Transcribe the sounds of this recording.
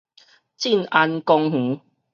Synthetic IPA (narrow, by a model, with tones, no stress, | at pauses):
t͡ɕi˥˨na˧nkɔ˧ŋɦũ˨˦